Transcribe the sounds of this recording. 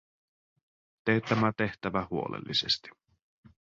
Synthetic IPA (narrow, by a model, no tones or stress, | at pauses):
t̪et̪ːæmæt̪e̞ht̪æʋæhuo̞̰lḛlːisest̪i̥